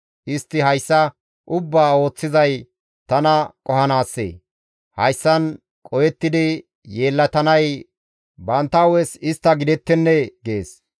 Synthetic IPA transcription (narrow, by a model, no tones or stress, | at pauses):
ʔɪst̪ːɪɦɐjsːɐ | ʔʊbːaːo̞ːt͡sːɪzɐj | t̪ɐnɐkʼɔhɐnaːsːḛː | hɐjsːɐn | kʼɔjɛt̪ːɪd̪ɪ | je̞ːlːɐt̪ɐnɐj | bɐnt̪ːɐwɛsɪst̪ːɐɡɪd̪ɛt̪ːɛnːɛɡe̞ːs